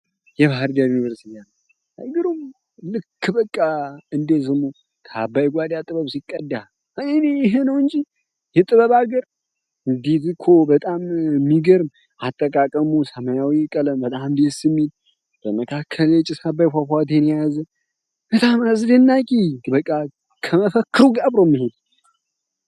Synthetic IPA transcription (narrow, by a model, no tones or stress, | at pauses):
jɛβahɾd̪ajunivəɾsian | aɡɨɾum | lɨkʰːbəkʼːaɨnd̪es̬ɨmu | t̪ʰabːajɡʷad̪at̪ʼɨβəβsikʼːəd̪ːa | ɨnejɪɦenəwɨɲd͡ʒi | jɛt̪ʼɨβəβaɡəɾ | ɨnd̪it̪ɨkʰobət̪ʼammːiɡəɾm | at̪ʼːəkʼakʼəmusəməjawikʼələmbət̪ʼambesɨmːil | b̥əməkʰakʰːəlet͡ʃʼɪsabːajfʷafʷat̪̬ʰenjazə | b̥ət̪ʼamazd̪ənːakʼibəkʼːa | kʰəməfəkːɨɾuɡʼabɾomːihod̪